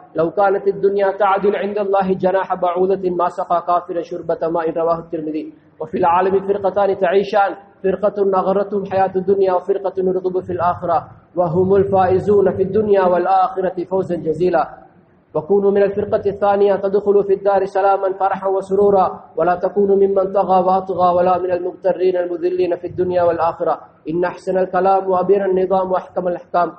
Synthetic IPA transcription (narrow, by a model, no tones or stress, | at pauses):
lawkaːnat̪ad̪ːʊnjaːt̪aʕd̪ʊlʕɪnd̪alˤːɑːɦɪd͡ʒanaːħabaʕuːd̪amaːsɑqɑːkaːfɪɾanʃʊɾbat̪amaːʔɪnɾˤɑwaːhʊt̪ːɪɾmɪðiː | wafiːlʕaːlamɪfɪɾqɑt̪aːnɪt̪aʕiːʃaːn | fɪɾqɑnaɣɑɾˤːɑt̪hʊmħajaːt̪ad̪ːʊnjaːwafɪɾqɑt̪nʊɾɣɪbʊfiːlʔaːxɪɾˤɑ | waɦʊmʊlfaːʔɪzuːnafiːd̪ːʊnjaːwalʔaːxɪɾˤɑt̪ɪfawzand͡ʒaziːlaː | wakuːnuːmɪnalfɪɾqɑθːaːnɪjat̪ad̪xʊlufiːd̪ːaːɾɪsalaːmanfɑɾˤɑħanwasʊɾuːɾˤɑːwalaːt̪akuːnmɪmːant̪ˤɑɣɑːwɑʔɑt̪ˤɣɑːwalaːmɪnalmʊɣt̪ɑrːiːnalmʊðɪlːiːnafiːad̪ːʊnjaːwalʔaːxɪɾˤɑ | ʔɪnːaʔaħsanalkalaːmwaʔabjananːɨðˤɑːmwaʔaħkamalʔaħkaːm